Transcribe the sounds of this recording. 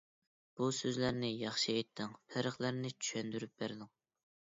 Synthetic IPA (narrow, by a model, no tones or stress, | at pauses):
b̥usøzlæɾnɪjɑχʃiet̪ʰːɪŋpʰæɾəχlˠæɾnɪt͡ʃʰy̥ʃɛnd̪yɾyp̚bæɾd̪ɪŋ